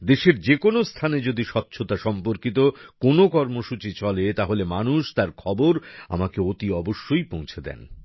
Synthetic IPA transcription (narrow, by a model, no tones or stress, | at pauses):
d̪eʃeɾd͡ʑekonost̪ʰaned͡ʑod̪iʃɔtːɕʰot̪aʃɔmpoɾkit̪okonokɔɾmoʃut͡ɕit͡ɕɔlet̪aɦolemanuʃt̪aɾkʰɔboɾa̰makeot̪iɔboʃːojpõw̃t͡ɕʰed̪ɛ̰n